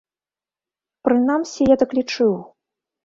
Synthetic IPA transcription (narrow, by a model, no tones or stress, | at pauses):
pɾɨnamsʲijad̪ɐklʲit͡ʂɨw